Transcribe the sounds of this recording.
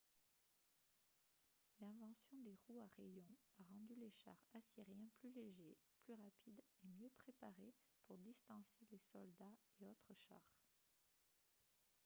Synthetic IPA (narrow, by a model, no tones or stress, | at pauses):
lɛ̃vɑ̃sjɔ̃d̪eʁuaʁejɔ̃aʁɑ̃d̪yleʃa̰ʁasiʁjɛ̃plyleʒeplyʁapʰid̪emjøpχepaʁepuʁd̪ist̪ɑ̃selesɔld̪aeot̪χəʃa̰ːʁ